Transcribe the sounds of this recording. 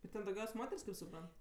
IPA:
ɪr ˈtʲɛn dɐʊˈɡʲɛʊsʲ ˈmoːtʲɛrʲsʲ kɐɪp sʊˈprɐnt

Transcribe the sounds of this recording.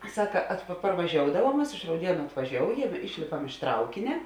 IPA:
ˈsɑːkɐ ɐt pɐ pɐrʋɐˈʒʲoːʊdɐʋuɔm ˈmɐs ɪʃ rɐʊˈdʲiɛnʊ ɐtʋɐˈʒʲoːʊjɛm ˈɪʃʲlʲeːpɐm ɪʃ ˈtrɐʊkʲɪnʲɛ

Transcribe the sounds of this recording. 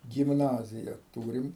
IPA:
ɡʲɪmˈnɑːzʲɪjɛ ˈtuːrʲɪm

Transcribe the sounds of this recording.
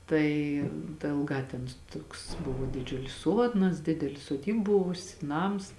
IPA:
ˈtɐɪ dɐ eːlˠˈɡɑː tʲɛn ˈtuɔks ˈbʊʋoː dʲɪˈd͡ʒʲʊlʲɪs ˈsuɔdnɐs ˈdʲɪdʲɛlʲɪ soːˈdʲiːp ˈbʊʋʊsʲɪ ˈnɐms

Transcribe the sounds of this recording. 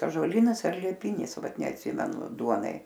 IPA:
ɑːʒuɔˈlʲiːnɐs ɐr lʲiɛˈpʲɪnʲɪs ˈʋɐt nʲɛɐtʲˈsʲiːmʲɛnʊ ˈduɔnɐɪ

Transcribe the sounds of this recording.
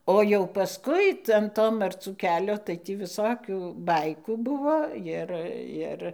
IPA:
ˈoː jɛʊ pɐˈskʊɪ tɐɪ ɐn ˈtoː mɐrˈt͡suː ˈkʲæːlʲoː tɐɪ ˈtʲiː ʋʲɪˈsoːkʲuː ˈbɐɪkuː ˈbʊʋoː ˈjɪr ˈjɪr

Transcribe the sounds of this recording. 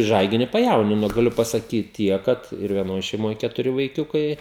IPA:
ˈʒɐɪɡʲɪnʲɪ pɐˈjɛʊnʲɪnoː ɡɐˈlʲʊ pɐsɐˈkʲiːtʲɪ ˈtʲiɛk ˈkɐt ɪr ʋʲiɛˈnoːj ʃʲɛɪˈmoːjɛ kʲɛtʊˈrʲɪ ʋɐɪˈkʲʊkɐɪ

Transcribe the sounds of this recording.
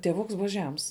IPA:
tʲiɛˈʋʊks ˈbʊʋɐ ˈʒʲɛms

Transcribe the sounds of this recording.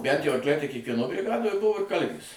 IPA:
bʲænt jɛʊ ɐrkˈlʲɛɪ tɐɪ kʲiɛkʋʲiɛˈnoː bʲrʲɪˈɡɑːdoːj ˈbʊʋoː ɪr ˈkɐlʲʋʲeːs

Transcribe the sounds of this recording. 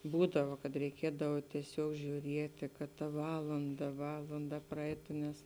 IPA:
ˈbuːdɐʋɐ kɐt rʲɛɪˈkʲiɛdɐw tʲiɛˈsʲuɔk ʒʲuːˈrʲiɛtʲɪ kɐt tɐ ˈʋɑːlˠɐndɐ ˈʋɑːlˠɐndɐ prɐˈɛɪtʊ nʲɛs

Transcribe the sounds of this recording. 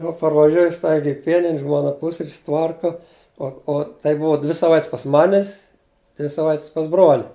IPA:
jɛʊ pɐrʋɐˈʒʲuɔjʊ ˈstɐɪɡʲɛɪ ɪ ˈpʲiɛnʲɪnʲ ˈʒmoːnɐ ˈpʊsʲrʲɪt͡ʃʲsʲ ˈtʋɐrkɐ ˈoː oː tɐɪ ˈbʊʋɐ dʲʋʲɪ sɐˈʋɐɪtʲsʲ pɐs ˈmɑːnʲɪs dʲʋʲɪ sɐˈʋɐɪtʲsʲ pɐs ˈbroːlʲɪ

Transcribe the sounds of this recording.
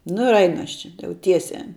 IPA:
nʊ ɪr ˈɐɪnʊ ˈɐʃ t͡ʃʲɛ ˈjɛʊ ˈtʲiɛsʲæː

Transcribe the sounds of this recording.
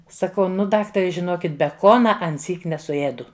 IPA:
sɐˈkɐʊ ˈnʊ ˈdɑːktɐrʲɛ ʒʲɪˈnoːkʲɪt bʲɛˈkoːnɐ ɐnʲˈsʲiːk nʲɛsʊˈeːdʊ

